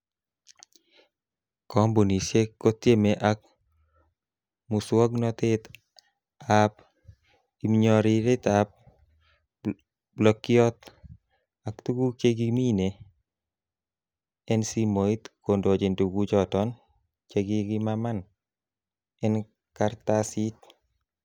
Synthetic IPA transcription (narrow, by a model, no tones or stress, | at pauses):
kɔmbonisjekot̪emeʔak̚ | muswɔɡnɔt̪ɪt̪ | ap | imɲɔɾiɾɪt̪ap̚ | blɔkɪɔt̪̚ | akt̪uɡut͡ʃeɡimine | ɛnsimoit̪kondod͡ʒinduɡud͡ʒɔtɔn | t͡ʃeɡiɡimaman | ɛn | kaɾt̪asit